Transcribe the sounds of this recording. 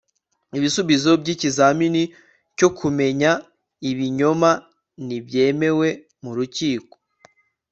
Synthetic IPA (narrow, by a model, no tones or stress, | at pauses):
iβisuβizobɟiːcizamini | co̞kʰume̞ɲa | iβiɲo̞ma | nibje̞ːme̞we̞ | muɾuciːko̥